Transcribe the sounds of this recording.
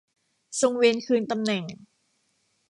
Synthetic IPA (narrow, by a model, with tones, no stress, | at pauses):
so˧ŋweː˧nkʰɯː˧nt̪a˧mnɛ˨˩ŋ